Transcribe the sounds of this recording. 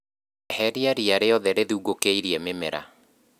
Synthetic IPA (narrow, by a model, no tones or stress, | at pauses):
hɛɾiaɾiaɾeɔðɛɾeðuuɡokeiɾiɛmemɛɾa̰